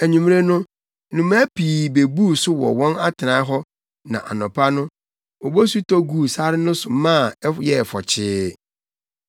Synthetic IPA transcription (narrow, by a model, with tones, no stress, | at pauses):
æ˨ɲũ˨m˦ɾe˦nʊ̃˦ | nũ˨ma˦pʰi˨be˨bu˦˨sʊ˦wɔ̰˨wɔ̃˦na˦tʰɪ˨ã˨˦ɦɔ˦ | nã̰˨ʔa̰˨nʊ̃˨pʰa˦nʊ̃˦ | ɔ˨bo˦su˦tʰɔ˦ɡu˦˨sa˦ɾɪ˦nʊ̃˦sʊ˨˦mã˦˨ɛ˦jɛ˦˨fɔ˨t͡ɕʰɪː˦